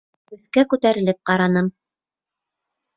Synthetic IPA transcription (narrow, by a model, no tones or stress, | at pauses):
ɘ̆θkækʉt̪æɾɘ̆lɘp̚qɑɾɑnɤm